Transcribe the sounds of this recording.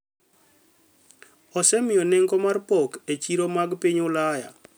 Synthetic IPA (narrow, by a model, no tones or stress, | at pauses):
ɔsɛmɪjɔnɛŋɡɔmarpɔket͡ʃiɾomaɡpiɲʊlaja̰